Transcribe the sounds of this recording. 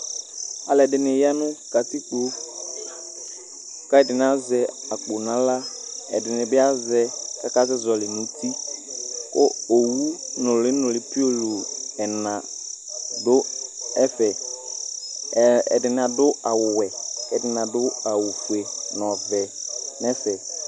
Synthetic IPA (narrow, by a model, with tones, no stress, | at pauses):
a˨lɛ˨dɪ˨nɪ˨ja˦nʊ˦ka˨ti˦k͡po˦ | ka˦ɛ˦˨dɪ˨n˨˦a˦zɛ˦a˨k͡po˨nã˦la˦ɛ̰˨dɪ˨nɪ˨bɪ˦a˦zɛ˦ka˦ka˦zɛ˦zɔ˨lɪ˨nʊ̃˨˦ti˦ | kʊ̰˦o˨wu˦nʊ˨lɪ˦nʊ˨lɪ˨pi˦o˦lo˨ɛ˨nã˨ | dʊ˦ɛ˦fɛ˨ | ɛ̰˨dɪ˨n˨a˨dʊ˦a˨wʊ˨wɛ˨kɛ˨dɪ˨nã˨dʊ˦a˨wu˨fu˨e˨n˨ɔ˨vɛ˨nɛ˦fɛ˨